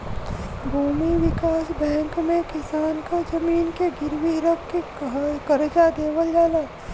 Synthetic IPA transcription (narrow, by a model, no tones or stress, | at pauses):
bʱuːmiʋɪkaːsbɛ̃ːŋkmẽkɪsaːnkad͡ʒɐmiːnkeɡɪɾwiɾəkːe | kɐɾd͡ʒad̪eːʋəld͡ʒaːlaː